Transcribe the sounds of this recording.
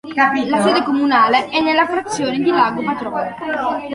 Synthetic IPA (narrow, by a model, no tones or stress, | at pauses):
kailasɛːd̪ekomunaːleɛnːelːafɾat̪sːjoːned̪ilaːɡopat̪ɾɔːne